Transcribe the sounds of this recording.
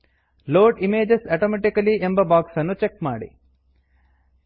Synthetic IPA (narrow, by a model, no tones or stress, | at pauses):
loːɖimeːd͡ʒesɐʈoːmeʈikɐliʔe̞mbɐbaːksɐnːut͡ʃekmaːɽḭ